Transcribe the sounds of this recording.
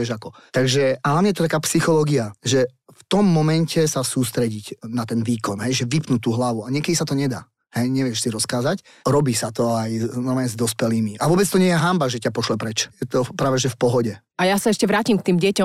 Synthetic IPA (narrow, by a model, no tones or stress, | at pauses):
ɛʒakɔt̪aɡʒɛʔalamɲɛjɛt̪ɔt̪akaːpsixɔlɔːɡiaʒɛ | ft̪ɔmːɔmɛncɛsasuːst̪ɾɛɟicnat̪ɛnʋiːkɔnɦɛjʒɛʋipnuːt̪uːɦlaʋuaɲɪɛkɛd̪isat̪ɔɲɛd̪a̰ː | hɛjɲɛʋɪɛʃsiɾɔskaːzac | ɾɔbiːsat̪ɔajnɔɾmaːɲɛzd̪ɔspɛliːmiʔaʋʊɔbɛt͡st̪ɔɲɪɛjɛɦambaʒɛcapɔʃlɛpɾɛt͡ʃjɛt̪ɔpɾaːʋɛʒɛfpɔɦɔɟɛ | ajasaɛʃcɛʋɾaːcimk̚t̪iːmɟɪɛcɔ